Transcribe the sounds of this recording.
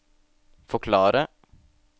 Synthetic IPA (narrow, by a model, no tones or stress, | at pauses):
fɔkʰlɑːɾə